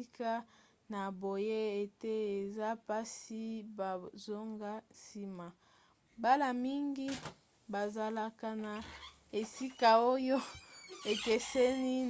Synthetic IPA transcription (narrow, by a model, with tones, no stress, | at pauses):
ka˦ | na˨bo˨je˦e˨te˦e˨za˦pa˦si˦ba˨zo˦ŋɡa˦si˦ma˨ | ba˦la˨mi˦ŋɡi˦ | ba˨za˨la˦ka˦na˨ | e˨si˦ka˨o˦jo˦e˨ke˨sɛ˦ni˦